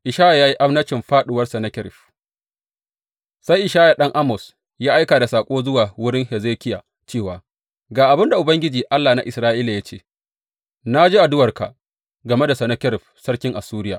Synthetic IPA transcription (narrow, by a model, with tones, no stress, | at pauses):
ʔɪ˨ʃaː˦ja˨jaː˦ji˦ʔa˦mnɐ˦t͡ʃɪ˨mɸaː˦ɗʊ˨wɐ˦rsɐ˨nɐ˦kʲɪ˦ɾɪ˨ɸ | sa˦jʔɪ˨ʃaː˦ja˨ɗɐ˦ŋʔa˦mɔ˨s | jaː˦ʔa˦jkaː˨da˨saː˨kʷʼoː˦zʊ˦waː˨wʊ˦ɽɪ˦ŋhɛ˨zeː˦kʲɪ˦jaː˨ | t͡ʃeː˦˨waː˨ | ɡaː˨ʔa˨bɪ˦nda˨ʔʊ˨bɐ˦ŋɡʲɪ˦d͡ʒiː˨ʔa˦lːaː˨na˦ʔɪ˨sɾaː˦ʔiː˦la˨ja˦t͡ʃeː˦ | na˦d͡ʒiː˦ʔa˨dʊ˦wɐ˨rka̰˨ | ɡɐ˨me˦da˨sɐ˨nɐ˦kʲɪ˦ɾɪ˨ɸsɐ˦ɽkʲɪ˦ŋʔa˨suː˦ɾɪ˦ja̰ː˨